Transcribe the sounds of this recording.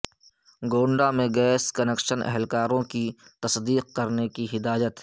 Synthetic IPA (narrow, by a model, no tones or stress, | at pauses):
ɡoːɳɖamẽɡɛːskɐnekʃənʔɛ̰ɦɛlkaːɾõkit̪ɐsd̪iːq̚kɐɾnekiɦɪd̪aːjət̪